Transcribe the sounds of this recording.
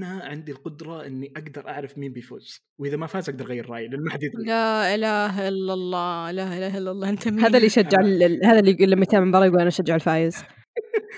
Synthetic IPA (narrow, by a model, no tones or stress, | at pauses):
ʔanaʕɪnd̪ilqʊd̪ɾˤɑʔɪnːiʔaɡd̪ɑɾˤʔa̰ʕɾɑfmiːmbifo̰ːz̥ | wʔɪðamafaːzʔaɡ̚d̪ɑɾˤɣajːɪɾˤːɑ̰ːjɪlʔanmaħad̪iːd̪laʔɪlaːɦaʔɪlːalˤːɑːɪlaːʔɪlaːhʔɪlːalˤːɑːʔɪnt̪amhaːðalːijʃad͡ʒːɪʕlhaːðalːiɡulːamːajt̪amːambɑɾˤɑjɪɡuːlʔanaʃad͡ʒːaʕɪlfaːjɪz